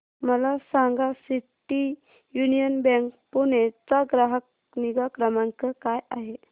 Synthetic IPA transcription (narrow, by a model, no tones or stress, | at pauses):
məlasãŋɡasiʈi | junijənbɛ̃ŋk̚punet͡saɡɾaɦək | niɡakɾəmãŋkəkajaɦe